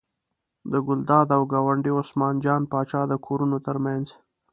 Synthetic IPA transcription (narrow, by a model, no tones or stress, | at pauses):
d̪əɡʊld̪ɑd̪awɡɑwaɳɖiʊsmɑnd͡ʒɑnpɑt͡ʃɑd̪əkʰoɾunot̪əɾmanz